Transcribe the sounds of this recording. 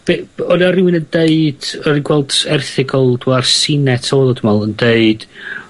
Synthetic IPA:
b̥eɔnɔɾiwinəndeɨd̥ɔɾinɡwɛlˠd̥ɛrθɪɡɔlˠdwarsɪnɛtʰɔːlˠɔd̥əmɔlˠəndeɨd̥

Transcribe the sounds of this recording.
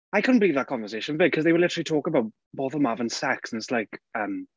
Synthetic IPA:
aɪkʰʊdⁿn̩b̥əliːvðət̚kʰɒ̃ɱvə˞seɪʃə̃nvɪɡ̚kʰʌzðeɪwəlɪtəɹəlˠitʰɔːkəbaʊt̚ | b̥ɔθəlˠmavə̃nsɛksə̃nɪtslaɪkə̃m

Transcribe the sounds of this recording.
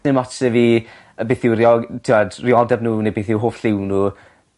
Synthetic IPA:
ɪnmɔtʰɛviː | əbeθɪwrɪɔtʰɪwadrɪɔdɛbnuːnebeθɪwɦoːfɬɪwnu

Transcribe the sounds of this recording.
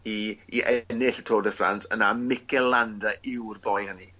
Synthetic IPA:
iiʔɛnɪɬətʰoːdəfra̰ntənamɪkʰɛlˠandaɪwrbɔjhəni

